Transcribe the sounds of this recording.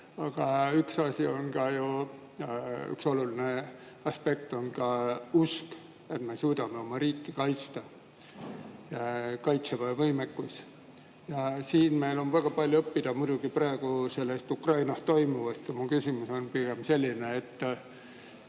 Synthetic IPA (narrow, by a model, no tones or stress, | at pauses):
ɑɡ̥ɑyksɑsʲio̞nkɑju | y̰kso̞luline̞ | ɑspe̞kt̪o̞nkɑusk | e̞t̪me̞suːd̪̥ɑme̞o̞mɑɾiːkːikɑjt̪st̪ɑ | kɑjt̪sevɑvɤjmekːus | jɑsiːnme̞jlo̞nvæɡ̥ɑpɑlʲjuɤpːid̪̥ɑmujd̪̥uɡ̥iprɑeɡ̥uselːest̪ukrɑjnɑst̪ːo̞jmuvɑst̪mukysʲimuso̞npiɡ̥e̞mse̞lʲːineet̪ː